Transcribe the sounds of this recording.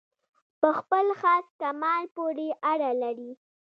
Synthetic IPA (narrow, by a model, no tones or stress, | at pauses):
pəxpəlxɑskamɑnpoɾeʔaɽalaɾi